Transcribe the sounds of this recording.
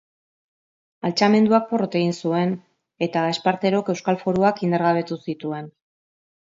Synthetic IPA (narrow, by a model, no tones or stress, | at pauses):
alt͡ʃame̞nd̪uak̚po̞rot̪e̞ɣ̞insue̞n | e̞t̪ae̞spaɾt̪e̞ɾo̞ke̞wskalfo̞ɾuakind̪eɾɣaβe̞t̪usit̪ue̞n